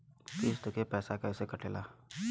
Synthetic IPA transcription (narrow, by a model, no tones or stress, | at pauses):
kiːst̪əkepɛːsakaɪsekɐʈʰeːlaː